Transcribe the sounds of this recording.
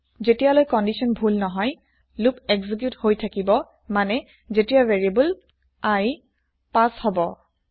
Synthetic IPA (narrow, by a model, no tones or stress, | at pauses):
zetijalojkɔndisɔnbʱulnɔɦɔj | lupɛɡzik̬juthojtʰakibɔ | manɛ | zetijaveɹiabul | aj | pashɔbɔ